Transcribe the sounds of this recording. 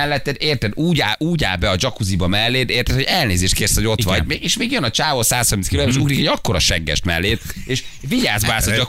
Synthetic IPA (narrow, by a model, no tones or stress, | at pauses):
ɛlːɛt̪ːɛd̪eːrt̪ɛd̪uːɟaːʔuːɟa̰ːlbɛɒd͡ʒɒkuzibɒmɛlːeːt̪eːrt̪ɛt̪ho̞ɟɛlneːzeːʃt̪keːrsho̞ɟo̞t̪ʋɒ̰ɟmeeːʃmeːɡjønɒt͡ʃaːvosaːshɒrminskiloːaɾeʃuɡrikɛo̞ɟɒkːo̞ɾɒʃɛŋɡɛ̰ʃt̪mɛ̰lːeːt̪eːʃviɟaːzbaːsɒd͡ʒɒ